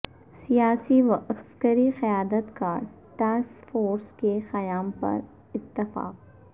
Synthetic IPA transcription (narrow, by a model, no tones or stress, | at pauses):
sijaːsiʋɐʔɐskəɾixɐjaːd̪ət̪kaːɾ | ʈaːskfoːɾskexɐjaːmpɐ̰ɾ | ɪt̪ːɪfa̰ːq̚